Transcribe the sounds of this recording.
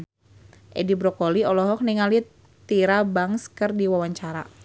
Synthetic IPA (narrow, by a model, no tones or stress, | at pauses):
ʔɛ̰dibɾɔkɔliɔlɔɦɔk̚niŋali | t̪iɾabaŋskərdiwawaɲt͡ʃaɾa̰